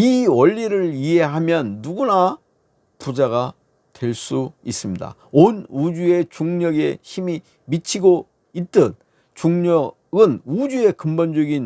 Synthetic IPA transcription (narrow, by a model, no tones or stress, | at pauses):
iwʌʎːiɾɯɭiɦe̞ɦamjʌnːuɡuna | pud͡ʑaɣa | twe̞ɭs͈uis͈ɯmɲida̰ | onud͡ʑue̞t͡ɕuŋɲʌɡe̞̰çimi | mit͡ɕʰiɡo | it̚t͈ɯn | t͡ɕuŋɲʌ | ɡɯnud͡ʑue̞kɯmbʌnd͡ʑʌɡin